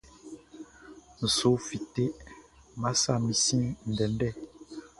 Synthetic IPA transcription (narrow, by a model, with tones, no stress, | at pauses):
n̩˨so˨˦fi˨te˦ | ma˦sa˦˨mĩ˨sĩ˦n̩˨dɛ˨n˦dɛ˦˨